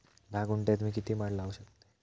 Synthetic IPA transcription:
d̪ʱaɡuɳʈat̪miːk̬it̪iːmaɽlaʋəɕək̚t̪e̥

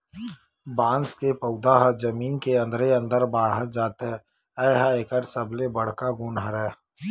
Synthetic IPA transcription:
bãːnskepəʊd̪aɦəd͡ʒəmiːnkeɐ̃nd̪ɾeɐ̃nd̪əɾbaːɽ̤ɦəd͡ʒaːt̪ɦɛ | ɛːɦaekəʈsəblebəɽ̤kaɡʊːnɦəɾɦɛː

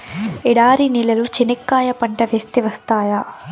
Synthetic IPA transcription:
iɽaːɾinilːɐlut͡ʃinikːaːjɐpɐɳʈɐʋeːst̪iʋɐst̪aːja

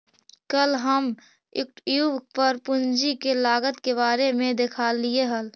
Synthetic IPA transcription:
kəlɦəm | ɪ̰k̚ʈjubpəɾpʊnd͡ʒikelaːɡət̪keβaːɾemẽd̪ɪkʰaːlieɦəl

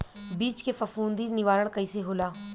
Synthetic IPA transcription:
biːt͡ʃkefɐfuːnd̪iːɾnɪʋaːɾəɽ̃kɐiːseɦoːlaː

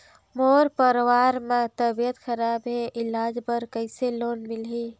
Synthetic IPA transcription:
moɾpəɾwaɾmet̪əbjət̪kʰəɾabɦeʔilad͡ʒbəɾkəɪselonmilɦi

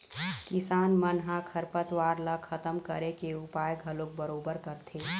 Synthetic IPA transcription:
kɪsaːnmənɦãkʰəɾpət̪ʋaːɾləkʰət̪əmkəɾekeʊpaːjɡʱɐlok̚bəɾoːbəɾkəɾt̪ʰeː

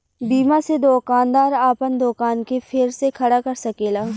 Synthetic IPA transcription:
biːmased̪oːkaːnd̪aːɾaːpənd̪oːkaːnkefʰɪɾsekʰɐɽakɐɾsɐkeːlaː

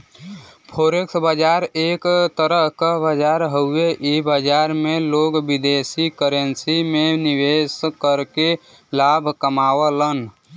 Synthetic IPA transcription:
pʰoɾeksbəd͡ʒaɾekt̪əɾəɦkabəd͡ʒaɾɦəueʔibəd͡ʒaɾmeloɡbid̪esikəɾənsimeniʋeskəɾke | labʱkəmawələn

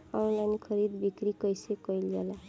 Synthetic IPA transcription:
ʌlankʰʌɾid̪bikɾikʌjsekʌjljela

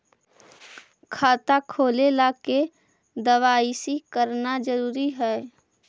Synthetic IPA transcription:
kʰaːt̪akʰoːlelaːke | d̪əʋaːisikəɾnad͡ʒəɾuːɾiɦɛː

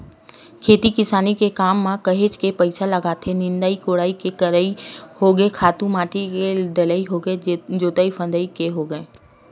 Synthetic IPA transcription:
kʰeːt̪ikɪsaːnikekaːmːãkɐɦet͡ʃkepɐɪsalɐɡaːt̪ʰenɪ̃nd̪aːikoːɽaːikekɐɾihoɡəekʰaːt̪ũmaːʈieɖɐləiɦoɡəed͡ʒoːt̪aipʰə̃nd̪əikeɦoɡəeː

